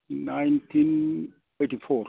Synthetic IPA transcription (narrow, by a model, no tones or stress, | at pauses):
najntʰin | etifɔr